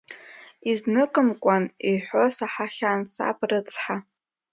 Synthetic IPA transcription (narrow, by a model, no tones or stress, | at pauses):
iznɨkʼɨmkʷʼaniħʷo̞saħaχʲaːnsa̰pʰʼrɨt͡sʰʼħa